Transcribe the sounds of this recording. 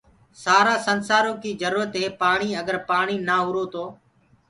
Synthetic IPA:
saːɾaːsənsaːɾõːkiːd͡ʒəɾuːɾət̪ɦeːpaːɳiːəɠəɾpaːɳiːnaːɦʊɾoːt̪oː

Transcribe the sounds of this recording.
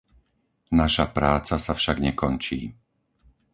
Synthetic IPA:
naʃapɾaːt͡sasafʃaɡɲɛkɔnt͡ʃiː

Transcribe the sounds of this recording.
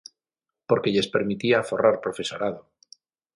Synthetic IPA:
po̞ɾke̞ʎe̞spe̞ɾmit̪iafo̞raɾpɾo̞fe̞so̞ɾað̞o

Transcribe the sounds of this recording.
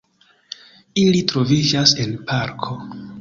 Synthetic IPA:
ilitɾo̞vid͡ʒase̞npʰaɾkʰo̞

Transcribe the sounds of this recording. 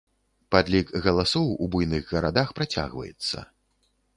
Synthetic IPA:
pad̪lʲikɣɐlˠasɔwubujnɨɣɣɐɾad̪axpɾat͡sʲa̰ɣvɐ̰jɛ̰t̪sːɐ̰

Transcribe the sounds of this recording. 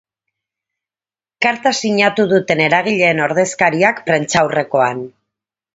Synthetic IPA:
kaɾt̪asiɲat̪uðut̪e̞ne̞ɾaɣ̞iʎe̞ːno̞ɾðe̞skaɾiakpɾe̞nt͡sawre̞ko̞an

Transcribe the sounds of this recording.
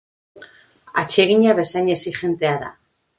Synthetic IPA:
at͡ʃe̞ɣiɲaβe̞sajɲesiʝe̞nt̪e̞aða̰

